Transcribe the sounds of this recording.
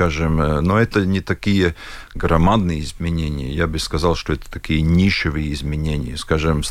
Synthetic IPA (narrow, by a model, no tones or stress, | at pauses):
aʐɨmnoɛt̪ənʲɪt̪ɐkʲijə | ɡɾɐmad̪nɨjəɪzmʲɪnʲenʲɪ̰jə̰jabɨskɐzalˠʂt̪oɛt̪ə̥t̪ɐkʲijənʲiʃɪvɨjəɪzmʲɪnʲenʲɪ̰jəskaʐɨm